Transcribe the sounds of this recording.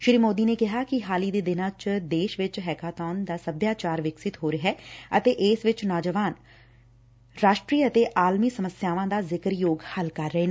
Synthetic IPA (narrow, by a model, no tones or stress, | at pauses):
ʃɪɾiːmoːd̪iːneːkɪɦaːkɪɦaːliːd̪eːd̪ɪnãːt͡ʃd̪eːʃʋɪt͡ʃɦɛːkaːt̪ɔːnd̪aːsəbjaːt͡ʃaːɾʋɪksɪt̪ɦoːɾɪɦɛːət̪eːʔɪːsʋɪt͡ʃnaːd͡ʒəʋaːn | ɾaːʃʈɾiːət̪eːʔaːlmiːsəməsjaːʋãːd̪aːzɪkəɾjoːɡhəlkəɾːəeːnː